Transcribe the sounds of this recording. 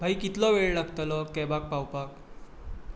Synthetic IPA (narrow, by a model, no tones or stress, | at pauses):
bʱajkit̪lɔʋeɭlaɡt̪əlɔkɛbak̚pawpak